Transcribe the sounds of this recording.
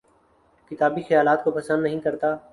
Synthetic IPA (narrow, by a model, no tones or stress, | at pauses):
kɪt̪aːbixɐjaːlaːt̪kopɐsə̃nd̪nɐɦĩkɐɾt̪aː